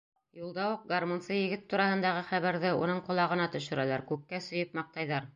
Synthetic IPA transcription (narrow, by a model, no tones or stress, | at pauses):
julˠd̪ɑwuq̚ɡarmonsɤjɘ̆ɡɘt̪ːuɾɑhɤ̆nd̪ɑʁɤχæβæɾðɘṵnɤɴqŏlˠɑʁɤ̆nɑt̪ɵ̆ʃɵ̆ɾælæɾkʉkːæsɵ̆jɤpmɑq̚t̪ɑjðɑɾ